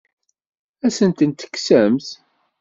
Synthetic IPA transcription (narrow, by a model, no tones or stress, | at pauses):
æsənt̪ənt̪ə̥ksæmθ